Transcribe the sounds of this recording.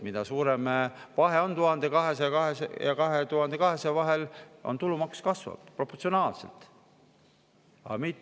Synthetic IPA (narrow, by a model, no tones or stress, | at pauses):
mid̪̥ɑsuːɾemevɑɦe̞o̞nt̪uhɑnd̪̥ekɑɦe̞sekɑɦesejɑkɑɦet̪uɦɑnd̪ekɑɦe̞sevɑɦelʔont̪ulumɑkskɑsvɑ̰bpro̞pːot̪sionɑːlsḛlt̪ˑ | ɑ̰mit̪ː